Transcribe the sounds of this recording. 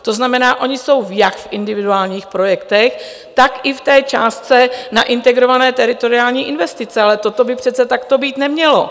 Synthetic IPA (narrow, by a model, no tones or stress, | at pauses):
t̪o̞znamɛnaːʔo̞ɲɪso̞wjakfʔɪndɪvɪduaːlɲiːxpɾo̞jɛkt̪ɛx | t̪akɪft̪ɛːt͡ʃa̰ːst̪t͡sɛnaʔɪnt̪ɛɡɾo̞vanɛːt̪ɛɾɪt̪o̞ɾɪaːlɲiːʔɪnvɛst̪ɪt͡sɛalɛt̪o̞t̪o̞bɪpr̥ɛt͡sɛt̪akt̪o̞biːt̪nɛmɲɛlo̰